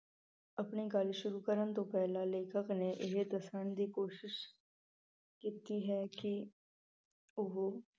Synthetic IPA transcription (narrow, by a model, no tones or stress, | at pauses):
ɐpniɡaːliʃʊɾuːkəɾənt̪opɛːlaleːkʰəkneʔɪɦd̪əsənd̪iːkoːʃɪʃ | kiːt̪iɦɛːki | ʊɦo